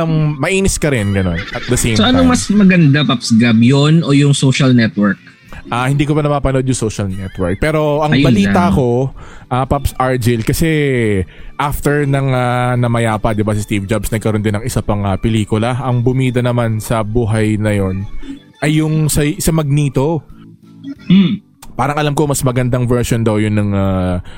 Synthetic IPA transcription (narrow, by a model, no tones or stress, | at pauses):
ɐŋmɐʔiːnɪskɐɾɪnɡɐno̞nʔɐt̪̚d̪ɐsej̃msoʔɐnomɐsmɐɡɐnd̪apapsɡabjonʔojʊŋsoʃɐlnɛt̪wɛɹk̚ | ʔahɪnd̪iːk̬obɐnɐmaːpɐnod̪jʊŋsoʃɐlnɛt̪wɛɹk̚pɛːɾo̞ʔɐŋbɐliːt̪ɐɐko̞ʔaːpapsʔaɹd͡ʒɪlkɐsɛ | ʔaft̪ɛɹnɐŋanɐmɐjaːpɐd̪ɪbasɪst̪iːvd͡ʒabsnɐɡ̚kɐɾond̪ɪnɐŋɪsapɐŋɐpɛliːkʊlɐʔɐŋbʊmiːd̪ɐnɐmansɐbuːɦɐjnɐjo̞n | ʔɐjːʊŋsɐsɐmɐɡ̚niːt̪o̞ | paːɾɐŋʔɐlamkomɐsmɐɡɐnd̪aŋvɛɹsjond̪ɐwjʊnːɐŋa